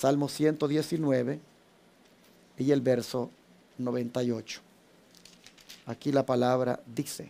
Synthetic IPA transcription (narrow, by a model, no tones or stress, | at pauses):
salmosje̞nt̪oðjesinweβe | ielbeɾso | noβent̪ajot͡ʃo̥ | akilapalaβɾa̰d̪isḛ